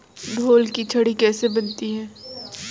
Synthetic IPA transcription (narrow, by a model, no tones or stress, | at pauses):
ɖʱoːlkit͡ʃʰɐɽikɛːsebɐnt̪iɦɛː